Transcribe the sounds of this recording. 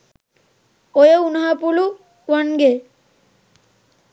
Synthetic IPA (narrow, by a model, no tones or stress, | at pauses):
ojəunaɦapulu | wanɡe